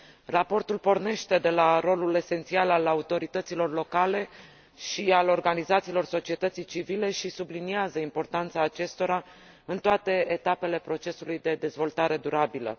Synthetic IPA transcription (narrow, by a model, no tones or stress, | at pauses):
rapo̞rt̪ulpo̞rne̞ʃt̪e̞d̪e̞laɾo̞lule̞se̞nt̪sialalaut̪o̞ɾit̪ət̪silo̞rlo̞kale̞ | ʃialo̞rɡanizat̪siːlo̞rso̞t͡ʃie̞t̪ət̪sijt͡ʃivile̞ʃisubliniazəimpo̞rt̪ant̪saːt͡ʃe̞st̪o̞ɾa | ɨnt̪oat̪e̞ːt̪ape̞le̞pɾo̞t͡ʃe̞sulujd̪e̞d̪e̞zvo̞lt̪aɾe̞d̪uɾabilə̰